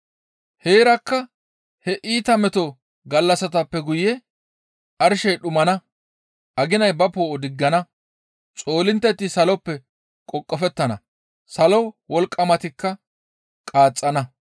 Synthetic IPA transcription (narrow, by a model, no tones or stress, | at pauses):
he̞ːɾɐkːɐ | hɛʔiːt̪ɐmɛt̪ɔ | ɡɐlːɐsɐt̪ɐpːɛɡʊjɛ | ʔɐɾʃɛjɗʊmɐnɐ | ʔɐɡɪnɐjbɐpoːʔɔd̪ɪɡːɐnɐ | t͡sʼo̞ːlɪnt̪ːɛt̪ːɪsɐlɔpːɛ | kʼɔkʼːɔfɛt̪ːɐnɐ | sɐlɔwwɔlkʼːɐmɐt̪ɪkːɐ | kʼaːt͡sʼːɐnɐ